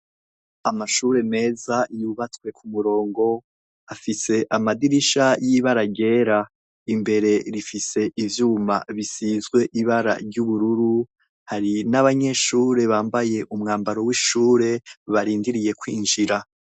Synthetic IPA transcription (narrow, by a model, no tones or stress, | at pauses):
amaʃuːɾe̞me̞ːzajuβat͡swe̞kʰumuɾo̞ːŋɡo̞ | afise̞ʔamadiɾiʃajiβaɾaɟe̞ːɾa | imbe̞ɾe̞ɾifise̞ʔivjuːma̰βisizɡwe̞ʔiβaɾa̰ɾɟuβuɾuɾu | haɾinaβaɲe̞ʃuːɾe̞βaːmbaje̞ʔumŋaːmbaɾo̞wiːʃuːɾe̞βaɾiːndiɾije̞kwiːnʒiɾa